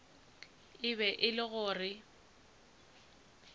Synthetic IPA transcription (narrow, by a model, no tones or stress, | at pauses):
ɪβɛʔɪlɪɣʊːrɪ